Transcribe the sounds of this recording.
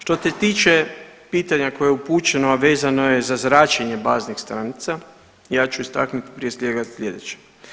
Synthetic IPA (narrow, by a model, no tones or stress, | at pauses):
ʃt̪ot̪et̪iːt͡ʃepiːt̪aɲako̞jeeupuːt͡ʃe̞noaʋeːzano̞je̞zazɾaːt͡ʃeɲe̞baːznixst̪ɾanit̪sa | jaːt͡ʃuist̪a̰knut̪i̥pɾije̞sʎʲeɡasʎʲe̞d̪et͡ɕe̥